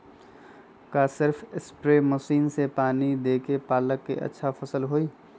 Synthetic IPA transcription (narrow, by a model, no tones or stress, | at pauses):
kaːsɪɾfʰɪspɾeːməʃiːnsepaːnid̪eːkepaːləkːḛʔɐ̰tːʃʰapʰəsəlɦoːiː